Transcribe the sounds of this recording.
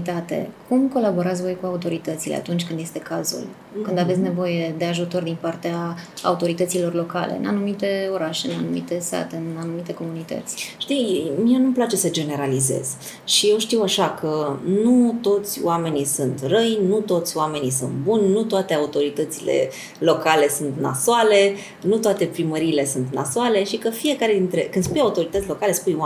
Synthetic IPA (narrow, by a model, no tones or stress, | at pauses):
t̪at̪e̞̰kumko̞labo̞ɾat̪sʲvo̞jkuaut̪o̞ɾit̪ət̪silea̰t̪unt͡ʃʲkɨnd̪jest̪e̞kazṵl | kɨnd̪avet̪ʲne̞vo̞je̞d̪e̞aʒut̪o̞rd̪inpart̪ea̰ːut̪o̞ɾit̪ət̪silo̞rlo̞ka̰lḛɨ̰na̰numit̪e̞o̞ɾaʃe̞ɨnanumḭt̪e̞st̪a̰t̪e̞ɨnanumit̪e̞ko̞munit̪ə̰t̪sʲʃt̪imienumplat͡ʃe̞səd͡ʒe̞ne̞ɾalize̞̰z̥ | ʃije̞wʃt̪iwaʃakənut̪o̞t̪sʲoame̞nisunt̪rəjnut̪o̞t̪sʲoame̞nisunt̪̚bunʲnut̪oat̪e̞aut̪o̞ɾit̪ət̪sile̞̰ | lo̞kale̞sunt̪na̰soale̞ | nut̪oat̪e̞pɾiməɾiːle̞sunt̪na̰soale̞ʃikəfije̞kaɾe̞d̪int̪ɾe̞̰kɨnd̪spujaut̪o̞ɾit̪ət̪sʲlo̞kale̞spuj